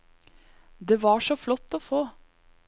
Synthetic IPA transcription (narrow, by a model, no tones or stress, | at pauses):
d̪eːʋɑːʂɔflɔt̪ːoːfoː